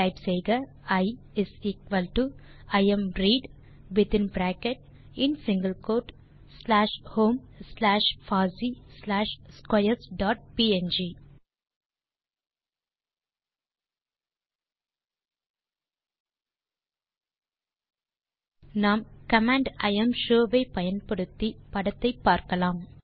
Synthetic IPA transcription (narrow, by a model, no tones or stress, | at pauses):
aɪbseːɡəɾ | aɪ | ɪziːkʋəlʈuaɪə̃mɾiːɖ | ʋɪt̪ɪ̃nbɾæːkeʈ̚ | ɪ̃ɳsɪ̃ŋɡəlkoːʈ | slæːʃhõːmslæːʃfaːzislæːʃskwajəɾsɖɔːʈ̚piːẽnd͡ʒiː | nãːmkɐmãːɳɖɐ̰ɪɐ̃mʃoːʋeːpɐjɐnpɐɽɯt̪ːipɐɽɐt̪ːɐɪpːaːɾkɐlãːm